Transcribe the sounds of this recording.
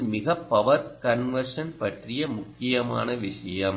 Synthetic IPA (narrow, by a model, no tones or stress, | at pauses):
mɪɣɐpːɐʋɐɾkɐnʋɐɾʂɐnpɐʈrɪjɐmʊkːɪjɐma̰ːnɐʋɪʂɐjɐm